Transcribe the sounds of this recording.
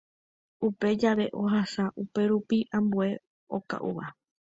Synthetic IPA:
upe̞d͡ʒaʋe̞ʔo̞ɦasaʔupe̞ɾupiʔãmbue̞ | o̞ka̰ʔṵʋa

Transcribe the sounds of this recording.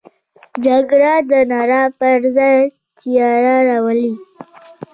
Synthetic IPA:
d͡ʒaɡɾɑd̪ənɑɾɑpəɾzaj | t̪ʰijɑɾaɾɑwəli

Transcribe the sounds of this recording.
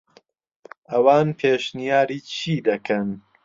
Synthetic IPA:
ʔɐwaːnpʰeːʃnijaːɾiːt͡ʃʰiːd̪ɐkʰɐn

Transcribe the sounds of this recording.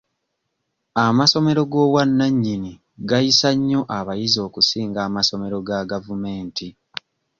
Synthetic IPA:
amaso̞me̞ɾo̞ɡo̞ːwanːaɲːini | ɡajisaɲːo̞ʔaβajizio̞ːkusiːŋɡaːmaso̞me̞ɾo̞ɡaɡavume̞ːnti

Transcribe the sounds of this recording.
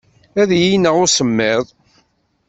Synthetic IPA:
æðjinəʁʊɾsəmːɪðˤ

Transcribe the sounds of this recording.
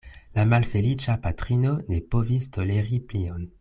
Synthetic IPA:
lamalfelit͡ʃapatʁinonepovistʰoleʁiplion

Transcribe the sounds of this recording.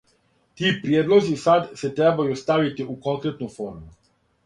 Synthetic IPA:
t̪ipɾjed̪lo̞zisad̪set̪ɾebajust̪aʋit̪iuko̞ŋkɾet̪nufoːɾmu

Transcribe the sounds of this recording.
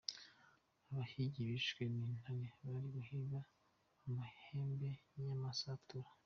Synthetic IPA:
aβahiɟiβiʃkweniːn̥haɾeβaɾiβuhiβaː | maheːmbeɲamasatuɾa

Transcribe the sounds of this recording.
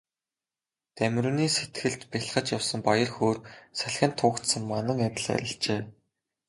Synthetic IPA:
t̪æmʲruːniːset̪ɡɘ̆ɮt̪piɮχə̆t͡ɕjawsə̆mpajə̆rxoːrsæɮxʲə̆nt̪ʰʊːkt̪sə̆ŋmanə̆ŋæt̪ʲə̆ɮæ̰ɾʲɪ̆ɬt͡ɕeː

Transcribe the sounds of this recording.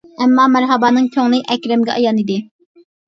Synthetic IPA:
æmːɑːmæɾɦɑbɑːnɨŋkʲʰoŋlˠɨʔɛkʲɾɛmɡʲɛ̰ʔɑjɑnid̪ɪ

